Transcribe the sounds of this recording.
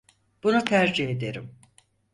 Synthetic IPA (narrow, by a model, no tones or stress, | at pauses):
b̥unut̪ʰæɾd͡ʒihed̪e̞ɾim